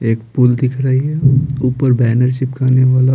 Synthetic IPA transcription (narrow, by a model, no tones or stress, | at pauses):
eːkpʊld̪ɪkʰɾaːiɦɛuːpəɾbɛːnəɾʃɪpkʰaːneʋaːla